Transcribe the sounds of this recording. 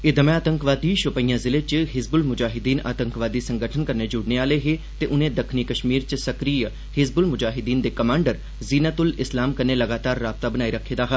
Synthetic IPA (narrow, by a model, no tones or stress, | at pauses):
ɪd̪əmɛ̃aːt̪ə̃ŋkʋaːd̪iːʃʊpəijãːzɪlet͡ʃəɦɪzbʊlmʊd͡ʒaːɦɪd̪iːna̰ːt̪ə̃ŋkʋaːd̪iːsə̃ŋɡəʈʰənkəɾned͡ʒʊɽneaːleɦe | t̪eʔʊnẽːd̪əkʰniːkəʃmiːɾt͡ʃsəkɾiːjə | hɪzbʊlmʊd͡ʒaːɦɪd̪iːnd̪eːkəmãːɳɖəɾ | ziːnət̪ʊlɪslaːmkəɾneləɡaːt̪aːɾːaːb̚t̪abənaːiɾəkʰːeːd̪aːɦa